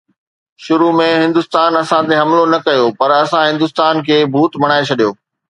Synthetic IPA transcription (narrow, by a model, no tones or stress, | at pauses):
ʃʊɾumẽɦɪ̃nd̪ʊst̪aːnɐsãt̪eɦɐmlonɐkɐjopɐɾɐsãɦɪ̃nd̪ʊst̪aːnkʰeːbʱuːt̪mɐɽ̃aːet͡ɕʰɐɗijoː